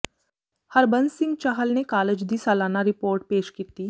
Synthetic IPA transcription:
hɐɾbənsɪ̃ŋɡt͡ʃaɦəlnekaːləd͡ʒd̪iːsaːlaːnaɾɪpoːɾʈ̚peːʃkiːt̪iː

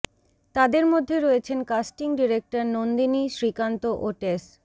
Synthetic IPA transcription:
t̪ad̪eɾmod̪ʱːeɾɔet͡ɕʰenkasʈiŋɖiɾek̚ʈaɾnond̪iniʃɾikant̪oʔoʈes

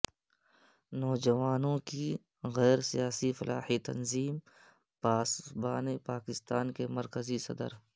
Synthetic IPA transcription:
nɔːd͡ʒɐʋaːnõki | ɣɛːɾsijaːsifɐlʔaːhit̪ɐ̰nziːm | paːsbaːnepaːkɪst̪aːnkemɐɾkəzisɐ̰d̪ə̰ɾ

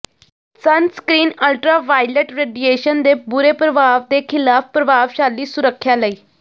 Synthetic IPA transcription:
sənskɾiːnəlʈɾaːʋaːileʈɾeːɖieːʃənd̪eːbʊɾeːpɾəʋaːʋd̪eːkʰɪlaːppɾəʋaːʋʃaːlːiːsʊɾəkʰːjaːləiː

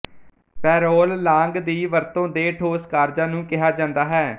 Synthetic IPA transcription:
pɛːɾoːllãːŋɡd̪iːʋəɾt̪õːd̪eːʈʰoːskaːɾd͡ʒãːnũːkɪɦaːd͡ʒãːnd̪aːɦɛː

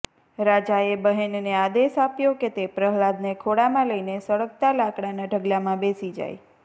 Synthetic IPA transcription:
ɾad͡ʒaebəɦennead̪esapjoket̪epɾəɦlad̪nekʰoɽamãləinesəɭək̚t̪alakɽanaɖʱəɡlamãbesid͡ʒa̰j

